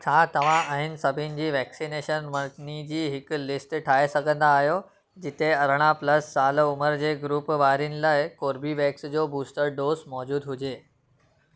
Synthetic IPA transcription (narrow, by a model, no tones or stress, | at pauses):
t͡ɕʰaːt̪ɐʋ̤ãʔaːɦɪnɪ̆sɐbʱɪnɪ̆d͡ʑiːʋɛːksineːʃənʋɐɾnid͡ʑiːɦɪk̆lɪsʈʈʰaːesɐɡʱə̃nd̪aːɦijo | d͡ʑɪt̪eɐɾ̤əɽ̃aplɐsːaːlʊməɾd͡ʑeːɡɾuːpʋaːɾijənɪ̆laːɪkoːɾbiʋɛːksd͡ʑoːbuːsʈəɾɖoːzmɔːd͡ʑuːd̪ɦʊd͡ʑeː